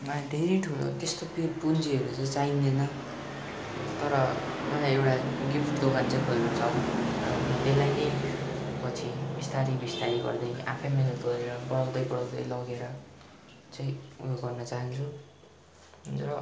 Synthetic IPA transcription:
mad̪ʱeɾijʈʰulo̰t̪est̪opipunt͡siʌɾut͡sãĩt͡sainenʌ | t̪ʌɾʌnʌlaewʈaɡipʈd̪oɡant͡sajkʰolnut͡sʰʌʌt̪elːajnʌj | pʌt͡sʰibist̪aɾibist̪aɾiɡʌ̰rd̪ʌja̰pʰʌjmenʌt̪oɾeɾʌbʌɽaw̃d̪ʌjbʌɽaw̃d̪ʌjlʌɡeɾʌ | t͡saj̃ujoɡɡʌrnʌt͡saɦʌnt͡sʰu | ɦunt͡sʌʌ

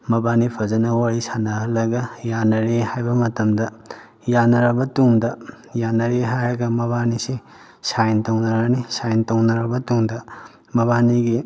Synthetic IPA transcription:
mɐbanipʰɐzɐnɐwaɾisanɐɦɐlɐɡɐjanɐɾehajbɐmɐtɐmdɐ | janɐɾɐbɐtuŋdɐ | janɐɾeɦajɐɡɐmɐbanisi | sajntɐwnɐɾɐnisajntɐwnɐɾɐbɐtuŋdɐ | mɐβaniɡi

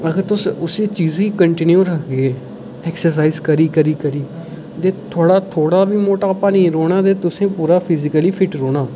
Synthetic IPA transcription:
əɡəɾt̪ʊsʊsiːt͡ʃiːzɦiːkəɳʈɪnjuːɾəkʰɡeː | ɛːksəɾs̬aːiːzkəɾiːkəɾiːkəɾiː | t̪eːt̪ʰoːɽaːt̪ʰoːɽaːbiːmoːʈaːpaːnĩːɾoːɽ̃aːt̪eːt̪ʊsẽːpuːɾaːpʰɪzɪkəliːpʰɪʈɾoːɽaː

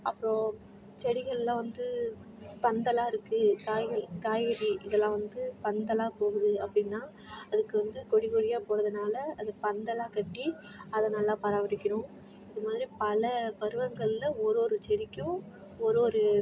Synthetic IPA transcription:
ɐpːɯɾõ | t͡ʃɛɽɪɣɐɭɪlãːʋɐnd̪ɯ | pɐnd̪ɐlaːɪɾɯkːɯkaːɐɭkaːjɐɾiʔɪðɛlːãːʋɐnd̪ɯpɐnd̪ɐlaːpoːɣɯðɯɐpːɽɪnːaː | ɐðɯkːɯʋɐnd̪ɯkɔɽɪkɔɽɪjaːpoːɾɐðɯnaːlɐɐðɯpɐnd̪ɐlaːkɐʈːiɐðɐnɐlːãːpɐɾaːʋɐɽɪkʲːɐɾʊ̃ | ɪðɯmaːðɪɾipɐlɐpɐɾɯʋɐŋɡɐɭɪlɐɔɾoːɾɯt͡ʃɛɽɪkʲːʊ̃ | ɔɾoːɾɯ

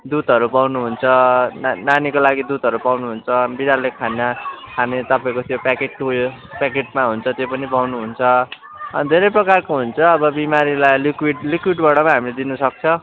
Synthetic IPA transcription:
d̪ud̪ɦʌɾupawnuɦunt͡sʰʌnnanikolaɡid̪ut̪ɦʌɾupawnuɦunt͡sʰʌbiɽalːekʰanːakʰanet̪ʌpaĩkot̪ʰjopakeʈ̚ʈojo | pakeʈmaɦunt͡sʰʌt̪jopʌnipawnuɦunt͡sʰʌ | d̪ʱeɾʌjprʌkarkoɦunt͡sʰʌːbʌbimaɾilajlikwiɖlikwiɖbʌɽʌmaɦamiled̪inusʌk̚t͡sʰʌ

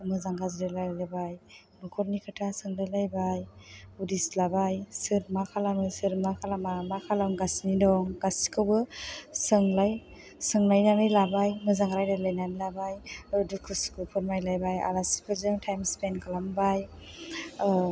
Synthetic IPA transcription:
mɯzaŋɡazdelajlajbaj | mɯkʰɔɾnikʰɯtʰasɯŋlajlajbajudislabajsɯɾmakʰalamɯsɯɾmakʰalamamakʰalaŋɡasnidɔŋɡasi̥kʰɯwbɯsɯŋlaj | sɯŋnajnamɯjlabajmɯzaŋɾajdalajnamilabajdukʰɯskupʰɔɾmajlajbaja̰lasi̥pʰɯzɯŋtʰajmspenkʰalambaj

